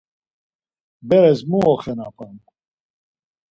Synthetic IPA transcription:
bɛɾɛsmuɔχɛnapʰʼɛn

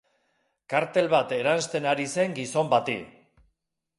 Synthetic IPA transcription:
kaɾt̪e̞lβat̪e̞ɾanst̪e̞naɾise̞ŋɡiso̞mbat̪ḭ

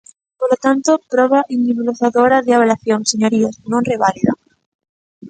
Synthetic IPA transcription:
poɾlot̪ant̪opɾoβaʔiniβuloθaðoɾaðeaβelaθjoŋseɲoɾiosnõnreβ̞aliða̰

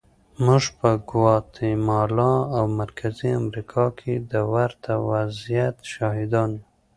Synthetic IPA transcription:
muʒpəɡwɑt̪ʰemɑlɑawmaɾkʰaziamɾikʰɑkʰed̪əwaɾt̪ʰawazjat̪ʃɑɦɪd̪ɑnju

